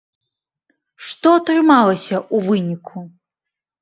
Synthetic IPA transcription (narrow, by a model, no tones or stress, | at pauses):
ʂt̪ɔɐt̪ɾɨmalˠɐsʲɐuvɨnʲikʰu